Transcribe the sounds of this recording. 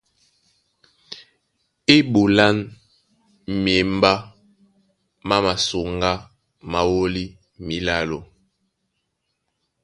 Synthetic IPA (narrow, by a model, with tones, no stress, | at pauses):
i˦ɓu˨la˦n | m˨e˨m˦ba˦ | ma˦ma˨so˨ŋɡa˦ | ma˨wo˦li˦ | mi˨la˦lo˨